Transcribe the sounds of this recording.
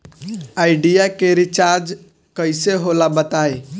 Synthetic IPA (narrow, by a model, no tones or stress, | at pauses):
aːɪɖijakeɾɪt͡ʃaɾd͡ʒ | kəɪseɦolabət̪aːe